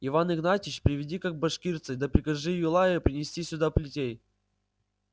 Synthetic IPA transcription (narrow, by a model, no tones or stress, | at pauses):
ɪvanɨɡnatʲɪt͡ɕpɾʲɪvʲɪdʲikak̚bɐʂkʲirt̪sɨd̪ɐpɾʲɪkɐʐɨjɪlˠaəpɾʲɪnʲɪsʲtʲisʲʊd̪aplʲɪtʲej